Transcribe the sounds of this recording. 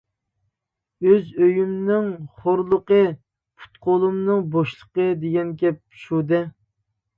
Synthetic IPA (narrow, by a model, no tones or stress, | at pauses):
øzøjymnɪŋχoɾlˠəqə | pʰu̥t̪̚qʰolˠumnɨŋboʃlˠəqəd̪eɡʲɛnkʲɛp̚ | ʃud̪ɛ